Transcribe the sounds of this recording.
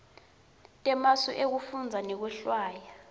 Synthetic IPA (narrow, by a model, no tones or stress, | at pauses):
tʼɛmasṵʔek̬ufund͡zʱanɛk̬wɛɬwaːja